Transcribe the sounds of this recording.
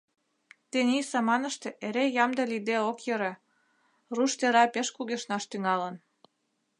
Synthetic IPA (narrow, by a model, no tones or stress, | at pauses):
t̪enʲisɑmɑnə̆ʃt̪ĕʔeɾejɑmd̪ɤ̆lid̪eokjɤ̆ɾe | ruʃt̪eɾɑpeʃkuɣeʃnɑʃt̪yŋɑlən